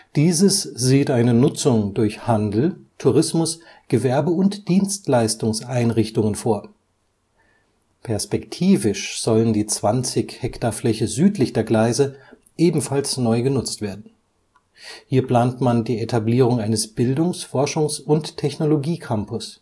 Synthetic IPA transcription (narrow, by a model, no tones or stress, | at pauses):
d̥iːzəsz̥iːtʔaɪnənʊt͡sʊŋdʊɐçhandl̩tʰuʁɪsmʊs | ɡ̥əvɛɐbəʊntd̥iːnstlaɪstʊŋsʔaɪnʁɪçtʊŋənfoːɐ | pʰɛɐspɛktʰiːvɪʃz̥ɔləndiːt͡sv̥ant͡sɪçhɛktaflɛçəzyːtlɪçd̥eːɐɡlaɪzə | ʔeːbm̩falsnɔʏɡənʊt͡stv̥eːɐdn̩ | hiːɐpl̥aːntmandiːetʰabliːʁ̞ʊŋaɪnəsb̥ɪldʊŋsfɔɐʃʊŋsʊnttʰːɛçnoloɡiːkʰampʊs